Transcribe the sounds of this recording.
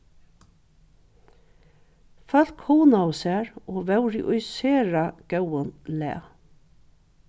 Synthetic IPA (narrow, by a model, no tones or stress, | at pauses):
fœl̥khɔːnaʊsæːɹoːʋɛwɾiʔʊjseːɹaɡ̥œwənlɛ̰ː